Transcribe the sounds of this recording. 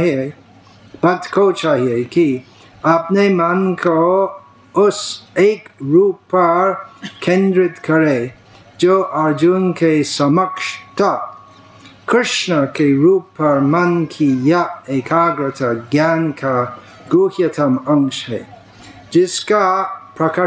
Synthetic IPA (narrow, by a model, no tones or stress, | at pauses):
ɦe | b̥ɐd̪kʰot͡ʃaːɦieki | apnemɐnkʰo | ʊseːkɾuːpːɐɾkʰẽnd̪ɾɪt̪kɐɾe | d͡ʒoːʔɐɾd͡ʒunkesɐmɐkʃt̪a | kɾɪʃnəkeɾuːpːɐɾmɐnkʰijaekʰaːɡɾət̪ʰaɡjaːnkʰa | ɡ̥oːhjɐt̪ʰɐmɐ̃ŋkʃhɛ̰ | d͡ʒɪskapɾɐka